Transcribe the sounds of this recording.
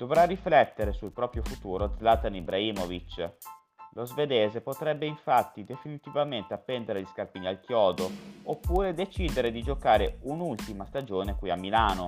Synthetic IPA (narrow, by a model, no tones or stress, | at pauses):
d̪̥ovɾarːiflɛt̪ːeɾesulpɾɔːpɾjofut̪uːɾozlat̪anibɾaiːmovit͡ʃ | lozved̪eːzepot̪ɾɛbːeiɱfat̪ːid̪efinit̪ivament̪eapːɛnd̪eɾeʎiskarpiːnialkjɔːd̪oopːuːɾed̪et͡ʃiːd̪eɾed̪id͡ʒokaːɾeunult̪imast̪ad͡ʒoːnekwuiamːilaːno